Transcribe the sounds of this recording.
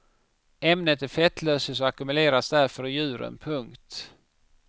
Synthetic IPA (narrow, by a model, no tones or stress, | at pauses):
ɛmnət̪æɾfɛt̪ʰløːsəs̬ɔakɵmɵleːɾasd̪æɾfœɾjʉ̟ːɾə̰npʰɵŋkt̪